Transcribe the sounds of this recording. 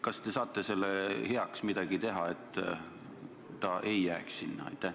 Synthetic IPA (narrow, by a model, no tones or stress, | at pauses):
kɑst̪e̞sɑːt̪ːˑe̞se̞lːehe̞ɑksmid̪̥ɑɡit̪e̞ɦɑet̪ː | ɑʔe̞jːæːkssinːɑ̰ɑ̰jt̪ːˑæh